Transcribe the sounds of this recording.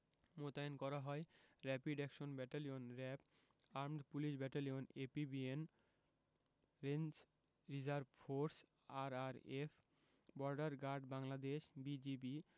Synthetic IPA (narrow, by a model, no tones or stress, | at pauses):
mot̪aenkɔɾaɦɔeɾɛpiɖɛkʃonbɛʈalionɾɛp | aɾmɖpuliʃbɛʈalionepibien | ɾent͡ɕ | ɾid͡ʑaɾbfoɾs | aɾaɾef | bɔɾɖaɾɡaɾɖbaŋlad̪eʃbid͡ʑibi